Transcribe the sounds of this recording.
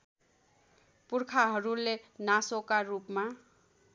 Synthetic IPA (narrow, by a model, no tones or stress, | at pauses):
purkʰaɦʌɾulenasokarupma